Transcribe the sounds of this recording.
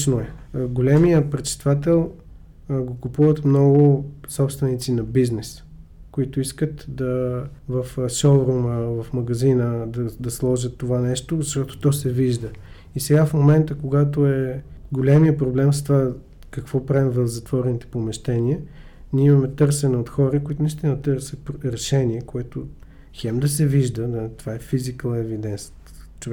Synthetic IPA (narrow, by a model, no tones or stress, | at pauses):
noɛɡolʲɛmijəpɾɛt͡ʃst̪vat̪ɛlˠ | ɡokupuvət̪mnɔɡʊsɔpst̪vɛnit̪sinɐbiznɛs | koit̪oiskət̪d̪ɐvɐfʃɔlˠɾoməvɐfmɐɡɐzinəd̪ɐd̪ɐslˠɔʒət̪ːovanɛʃt̪ozɐʃt̪ɔt̪o̥t̪ɔsɛviʒd̪ə | isɛɡafmomɛnt̪əkoɡat̪oɛɡolʲɛmiəpɾoblɛmst̪ova | kɐkvɔpɾavimvɛlzɐt̪vɔɾɛnit̪ɛ̥pomɛʃt̪ɛniə | nʲiɛimɐmɛt̪ɤɾsɛnɛot̪xɔɾəkoit̪ʊnist̪inɐt̪əɾsət̪̚pɾɛʃɛniɛkoɛt̪o | xɛmd̪ɐsɛviʒd̪əd̪ət̪ovaɛfizikəlˠɛvid̪ɛnst̪ | t͡ʃovɛ